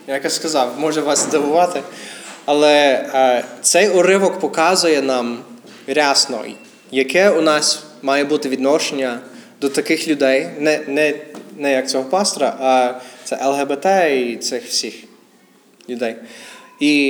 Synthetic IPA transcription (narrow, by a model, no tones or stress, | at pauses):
jakjaskɐzɑwmɔʒɛʋɑsd̪ɐʋʊʋɑt̪ɪɐlˠɛ | t̪sɛjɔɾɪʋɔkpɔkɑzʊjɛnɑm | ɾʲɑsnɔ̰j | jɐkɛʊnɑs | mɑjɛbut̪ɪʋʲid̪nɔʃenʲːɐd̪ɔt̪ɐkɪxlʲʊd̪ɛjnɛnɛnɛjɐk̚t͡sʲɔɦɔpɑst̪ɔɾɐʔɐt̪sɛʔɛlˠɦɛbɛt̪ɛit̪sɪxwsʲix | lʲʊd̪ɛji